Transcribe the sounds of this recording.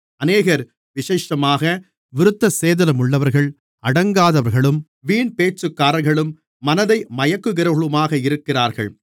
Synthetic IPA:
ɐneːɣɐɾ | ʋɪʂeːʂɐmaːɣɐ | ʋɪɾɯt̪ːɐseːðɐlɐmʊɭːɐʋɐɾɣɐɭ | ɐɽɐŋɡaːðɐʋɐɾɣɐɭɯm | ʋiːɳpeːt͡ʃːɯkːaːɾɐɾɣɐɭɯmː | ɐnɐðɐɪmɐjɐkːɯɣɪɾɐɐɭɯmaːɣɐɪɾɯkːɪraːɾɣɐ̰ɭ

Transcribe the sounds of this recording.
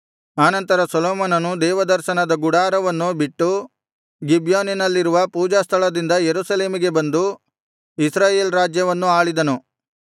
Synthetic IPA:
aːnɐnt̪ɐɾɐsɐloːmɐnɐnud̪ɛːʋɐd̪ɐɾʃɐnɐd̪ɐɡuɽaːɾɐʋɐnːubiʈːu | ɡibjaːninɐlːiɾuʋɐpuːd͡ʒaːst̪ʰɐɭɐd̪ind̪ɐjeɾusɐle̞ːmiɡe̞bɐnd̪u | isɾaːjeːlɾaːd͡ʒjɐʋɐnːuaːɭid̪ɐnu

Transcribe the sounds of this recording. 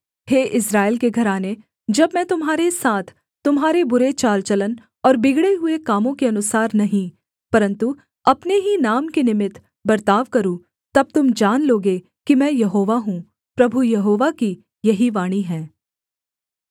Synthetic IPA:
heːʔɪsɾaːɪlkeɡʱɐɾaːne | d͡ʒɐbmɛ̃ːt̪ʊmɦaːɾesaːt̪ʰ | t̪ʊmɦaːɾebʊɾet͡ʃaːlt͡ʃɐlən | ɔːɾbɪɡɽeɦʊekaːmõkeɐnʊsaːɾnɐɦĩ | pɐɾə̃nt̪u | ɐpneɦinaːmkenɪmɪt̪ | bɐɾt̪aːʋkɐɾũ | t̪ɐb̚t̪ʊmd͡ʒaːnloːɡe | kimɛ̃ːjɐɦoːʋaɦũ | pɾɐbʱujɐɦoːʋaki | jɐɦiʋaːɽ̃iɦɛ̃ː

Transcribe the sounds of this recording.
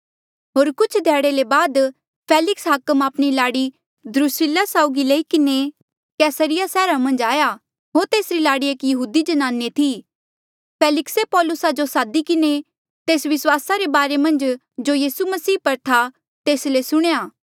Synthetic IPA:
ɦoːɾkʊt͡ʃʰd̪ʱɛːɽelebaːd̪ | pʰeːlɪksɦaːkəmaːpɽ̃ilaːɽi | d̪ɾʊsɪlasaːʊɡileːikɪne | kɛːsəɾɪjasɛːɾamɐ̃nd͡ʒaːja | ɦoːɾt̪eːsɾilaːɽieːkjɐɦuːd̪id͡ʒɐnaːnːet̪ʰi | pʰeːlɪksepɔːlʊsad͡ʒosaːd̪ikɪne | t̪eːsʋɪswaːsaɾebaːɾemɐ̃nd͡ʒ | d͡ʒojiːsumɐsiːpɐɾt̪ʰa | t̪eːslesʊɽ̃ejaː

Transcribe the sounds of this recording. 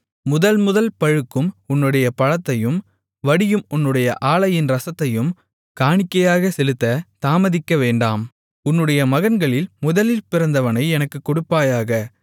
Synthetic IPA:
mʊðɐlmʊðɐlpɐɻɯkːɯmʊnːɯɽɐjɐpɐɻɐt̪ːɐjɯm | ʋɐɽɪjɯmʊnːɯɽɐjɐʔaːɭɐjɪnɾɐsɐt̪ːɐjɯm | kaːɳɪkːɐjaːɣɐsɛlɯt̪ːɐt̪aːmɐðɪkːɐʋeːɳɖaːm | ʊnːɯɽɐjɐmɐɣɐnɡɐɭɪlmʊðɐlɪlpɪɾɐnd̪ɐʋɐnɐɪɛnɐkːɯkːʊɽʊpːaːjaːɣɐ

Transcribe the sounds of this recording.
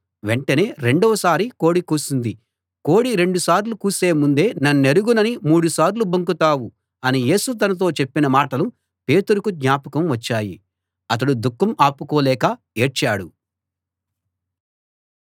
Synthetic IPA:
ʋe̞ɳʈɐne̞ːɾe̞ɳɖɔːsaːɾiko̞ːɽikuːsund̪i | ko̞ːɽiɾe̞ɳɖusaːɾlukuːse̞ːmund̪e̞ːnɐnune̞ɾuɡunɐnimuːɽusaːɾlubɐŋkut̪aːwu | ɐnije̞ːsut̪̬ɐnɐt̪̬o̞ːt͡ʃe̞pːinɐmaːʈɐlu | pe̞ːt̪uɾukud̪ɲaːpɐkɐmʋɐt͡ʃːaːjḭ | ɐt̪̬ɐɽud̪ukːɐmaːpukoːlɛːkɐ | e̞ːʈt͡ʃaːɽu

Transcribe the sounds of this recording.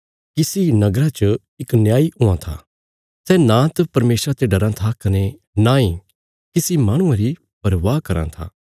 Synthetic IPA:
kɪsinɐɡɾat͡ʃə | ɪknjaːiɦʊãt̪ʰa̰ | sɛnãt̪ɐpɐɾmeːsɾat̪eɖɐɾãt̪ʰakɐne | nãːĩ | kɪsimaːɽ̃ʊ̃ãɾi | bɐɾʋaːkɐɾã̰t̪ʰa̰ː

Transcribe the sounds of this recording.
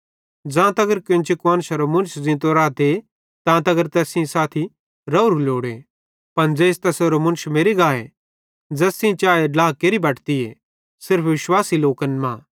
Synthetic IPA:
d͡zãːt̪ɐɡəɾkʊ̃nt͡ʃikʋɐ̃ːnʃɐɾomʊ̃nʃd͡zɪ̃ːt̪oɾaːt̪e | t̪ãːt̪ɐɡəɾt̪ɛːsĩsaːt̪ʰi | ɾɐɾuloːɽe | pɐnd͡zeːst̪ɛsoɾomʊ̃nʃmeːɾiɡaːe | d͡zɛːsĩt͡ʃaːeɖlaːkeːɾibɐʈʰt̪iḛ | sɪɾpʰʋɪʃwaːsiloːkənmãː

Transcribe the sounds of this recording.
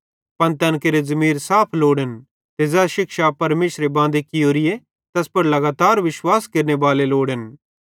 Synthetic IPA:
pɐnt̪ɛnkeɾezɐmiːɾsaːpʰloːɽən | t̪ed͡zɛʃɪkʃapɐɾmeːʃɾebãːnd̪ekɪjoːɾɪje | t̪ɐspɐɾlɐɡaːt̪aːɾʋɪʃwaːskeːɾnebaːleloːɽən

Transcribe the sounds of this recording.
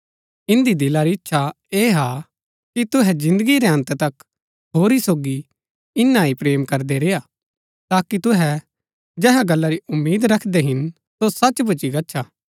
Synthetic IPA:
ɪ̃nd̪id̪ɪlaɾiɪtːʃʰa | eːɦa | kit̪ʊɦɛd͡ʒɪ̃nd̪əɡiɾeɦɐ̃nt̪t̪ɐk | ɦoːɾisoːɡi | ɪnːaːipɾeːmkɐɾd̪eɾejaː | t̪aːkit̪ʊɦɛ | d͡ʒɛːɦaɡɐlːaɾiʔʊmːiːd̪ɾɐkʰd̪eɦɪn | sosɐt͡ʃbʊt͡ʃiɡɐtːʃʰaː

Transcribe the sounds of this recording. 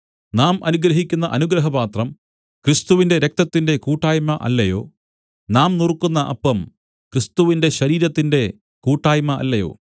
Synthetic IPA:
naːmɐnuɡɾɐɦikʲːunːɐʔɐnuɡɾɐɦɐbaːt̪rɐm | krist̪uʋinde̞ɾe̞k̚t̪ɐt̪ːinde̞kuːʈːaːjmɐʔɐ̰lːɐjo̞̰ː | naːmnirkːunːɐʔɐ̰pːɐm | krist̪uʋinde̞ɕɐɾiːɾɐt̪ːinde̞ | kuːʈːaːjmɐʔɐ̰lːɐjo̞̰ː

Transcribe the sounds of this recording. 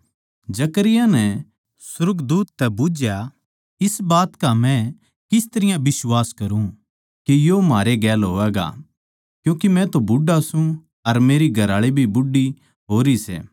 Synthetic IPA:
d͡ʒɐkəɾɪjãnɛ | sʊɾɡd̪uːt̪ːɛbʊd͡ʒja | ɪsbaːt̪kamɛ̃ | kɪst̪ɐɾɪjãbɪswaːskɐɾũ | kijomaːɾeɡɛːlɦoːɛːɡa̰ | kjũːkimɛ̃t̪obʊɖːasũ | ɐɾmeːɾiɡʱɐɾaːɭibʱibʊɖːi | ɦoːɾisɛ̰ː

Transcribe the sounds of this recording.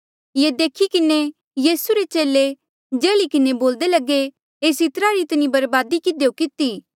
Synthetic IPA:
jed̪eːkʰikɪne | jiːsuɾet͡ʃeːle | d͡ʒɛːlikɪneboːld̪elɐɡe | eːsɪt̪ɾaɾit̪nibɐɾbaːd̪ikɪd̪ejokɪt̪iː

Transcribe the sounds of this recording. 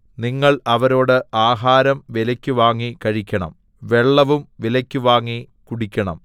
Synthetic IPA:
niŋːɐɭɐʋɐɾo̞ːɽɨaːɦaːɾɐmʋilɐkʲːuʋaːŋːikɐɻikʲːɐɳɐ̰m | ʋe̞ɭːɐʋumʋilɐkʲːuʋaːŋːi | kuɽikʲːɐɳɐ̰m

